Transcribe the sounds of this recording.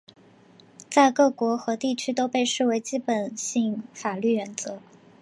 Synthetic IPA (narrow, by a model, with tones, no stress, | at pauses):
t͡sa˥˧ɪkɤ˥˩kwɔ˧˥xɤ˧˥t̪i˥˩t͡ɕʰy˥t̪o˥ʊpe˥˧ɪʂɻ̩˥˩we˧˥ɪt͡ɕi˥pə˨˩nɕi˥˩ŋfa˨˩ly˥˩ɥɛ˧˥nt͡sɤ˧˥